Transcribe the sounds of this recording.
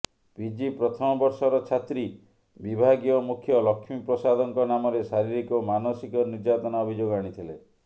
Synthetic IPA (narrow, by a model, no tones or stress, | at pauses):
bid͡ʒipɾɔt̪ʰɔmɔbɔɾsɔɾɔt͡ʃʰat̪ɾi | bibʱaɡijɔmukʰjɔlɔkʰːimipɾɔsad̪ɔŋkɔnamɔɾesaɾiɾikɔmanɔsikɔniɾd͡ʒat̪ɔnaɔbʱid͡ʒoɡaɽ̃it̪ʰile